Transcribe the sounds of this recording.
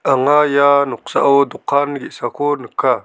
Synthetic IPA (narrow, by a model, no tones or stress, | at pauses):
aŋajanuqsa̰ʔawduqanɡisakonəkːa